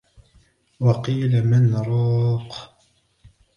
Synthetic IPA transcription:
wɑqiːlamɪnɾˤɑːq

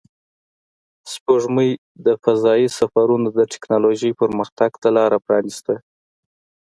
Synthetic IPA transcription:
spoʐməj | d̪əfazɑjisafaɾunod̪əʈɪ̥knɑloʒəjpəɾməxt̪aɡt̪alɑɾapɾɑnist̪a

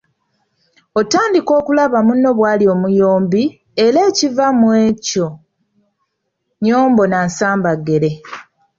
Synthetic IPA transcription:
otaːndiko̞ːkulaβamunːo̞βwaːlio̞mujo̞ːmbi | e̞ɾe̞ːcivamwe̞ːco̞ | ɲo̞ːmbo̞naːnsaːmbaɡːe̞ɾe̞

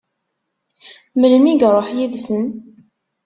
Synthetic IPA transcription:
mələmiɡɾˤoħjiðsən

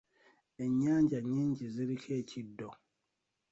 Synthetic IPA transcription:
eɲːaːɲɟaɲĩɲɟiziɾikʰecʰidːo

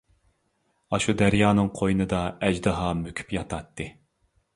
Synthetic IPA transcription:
ɑʃud̪æɾjɑːnɨŋqʰojnɨd̪ɑɛd͡ʒd̪ɨɦɑmøkʲʰy̥pjɑt̪ʰɑt̪ːɨ

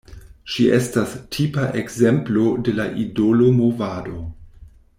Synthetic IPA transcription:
ʃiʔestastʰipaʔekzemplode̞laʔidolomovaːdo̞

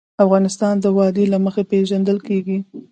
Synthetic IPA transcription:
afɣɑnɪst̪ɑnd̪əwɑd̪elaməxepeʒand̪əlkeɡi

